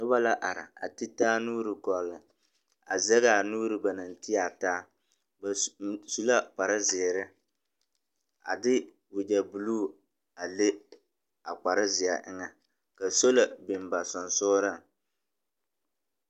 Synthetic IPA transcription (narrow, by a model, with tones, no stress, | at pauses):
nʊ˦ba˦la˦ʔa˨ɾɪ̰˨a̰˨ti˦taː˦nuː˦ɾɨ˨kɔ˨lɨ˨ | a̰˨zɛ˦ɣa˨nuː˦ɾɨ˨ba˨na˨n˨ti˦a˨taː˦ | ba˨su˨la˦k͡pa˨ɾɪ˦zɪ˨ɾɪ˦ | a̰˨dɪ˦ | wʊ˨d͡ʒa˨bu˨luː˦ | a˨le˦ | a˨k͡pa˨ɾɪ˦zɪ˨ja˨ʔɪ̰˦ŋa˨ | ka˨so˦la˨bɪ˨m˨ba˨sɔ˨nsʊː˦ɾa˦˨